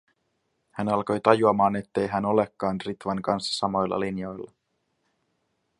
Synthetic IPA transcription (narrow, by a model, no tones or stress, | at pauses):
hænɑlko̞jt̪ɑjuɑmɑːne̞t̪ːe̞jɦæno̞lekːɑːnrit̪ʋɑŋkɑnsːɑ̥sɑmo̞jlːɑ̰linjo̞jlːɑ